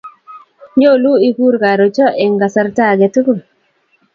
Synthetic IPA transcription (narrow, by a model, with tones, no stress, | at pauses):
ɲo˦˨lu˦i˦ku˦ɾɡa˨ɾo˨t͡ʃɔ˦ʔɛ˨ŋɡa˨sa˦ɾta˦˨ɡɛ˨tɡo˦˨